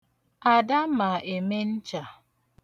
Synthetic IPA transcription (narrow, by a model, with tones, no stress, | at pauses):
a˨da˦ma˨ʔe˨me˦n̩˦t͡ʃa˨